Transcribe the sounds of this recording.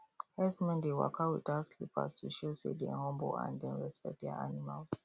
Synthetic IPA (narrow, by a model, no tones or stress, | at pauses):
hɛsmɛ̃ndewa̰kʰawitaslipa̰stʰuʃosḛdɛ̰̃hɔ̃mbo̰ʔã̰ndɛ̃nɹɛspɛ̰k̚dɛ̰ʔanimals